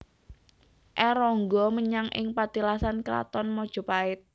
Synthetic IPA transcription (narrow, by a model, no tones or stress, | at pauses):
ʔɛɾɔŋɡɔməɲaŋʔɪ̰ŋpat̪ilasankɾa̰t̪ɔnmɔd̥ʒ̥ɔ̤paɪt̪̚